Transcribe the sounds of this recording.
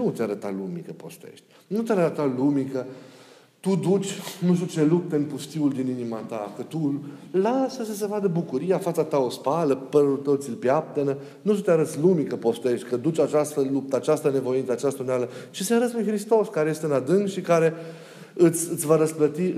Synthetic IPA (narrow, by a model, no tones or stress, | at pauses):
nut̪ʲaɾət̪a̰lumikəpo̞̰st̪ḛʃt̪ʲ | nut̪ʲaɾəət̪alumikə | t̪ud̪ut͡ʃʲnuʃt̪ut͡ʃe̞lup̚t̪əɨnpust̪iuld̪ininimat̪akət̪ulasəsəs̬evad̪əbukuɾijafat̪sat̪aospaləpəɾut̪ət̪silpjap̚t̪ənə | nuʃt̪ʲut̪ʲaɾət̪slumikəpo̞st̪e̞ʃt̪ʲkəd̪ut͡ʃat͡ʃast̪əlup̚t̪əat͡ʃast̪əne̞vo̞insəat͡ʃast̪aunealət͡ʃiseaɾət̪sʲlujxɾist̪o̞skaɾeje̞st̪eɨnad̪ɨŋkʃikaɾe̞ | ɨt̪sʲɨt̪sʲvaɾəsplət̪i